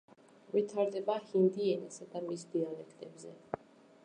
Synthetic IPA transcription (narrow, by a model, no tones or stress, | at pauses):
vit̪ʰaɾd̪ɛbahind̪iɛnɛsad̪amisd̪ialɛkʰt̪ʼɛbzɛ